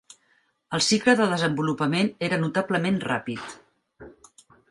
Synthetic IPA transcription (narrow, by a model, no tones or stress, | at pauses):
əlˠsikləðəlˠðəzəmbulupəmeneɾənut̪abləmenra̰pit̪